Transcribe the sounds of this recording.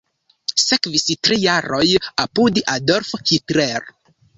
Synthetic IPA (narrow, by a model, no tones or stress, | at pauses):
sekvistɾijaɾojapudʔadoɾfhitleɾ